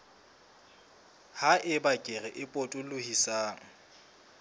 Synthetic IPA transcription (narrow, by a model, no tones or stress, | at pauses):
haʔɪbakʼɪrɛʔɪpʼotʼʊlʊhisaːŋ̩